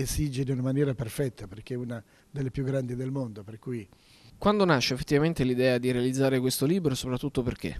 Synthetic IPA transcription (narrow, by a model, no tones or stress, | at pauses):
esid͡ʒeniunamanjɛːɾaperfɛt̪ʰːaperk̟euna | d̪elːepjuɡːɾand̪id̪elmond̪operkuːji | kwand̪onaʃːeːfːet̪ːivament̪elid̪ɛːad̪iɾealid̪zːaːɾekwest̪oliːbɾosopɾat̪ːut̪ːoperk̟ḛ